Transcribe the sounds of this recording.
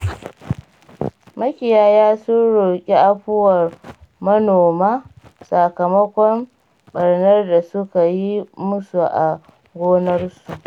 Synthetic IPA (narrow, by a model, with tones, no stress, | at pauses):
mɐ˦kʲɪ˨jaː˦jaː˦sʊ˦nɽʊ˨kʲʼi˦ʔa˦ɸʊ˦wɐ˨rmɐ˦noː˨maː˦sa˨kɐ˨mɐ˦kʷɔ˦m | ɓɐ˨ɽnɐ˦rda˨sʊ˦ka˨ji˦mʊ˦su˨ʔa˨ | ɡʷoː˦nɐ˦rsu˨ʔ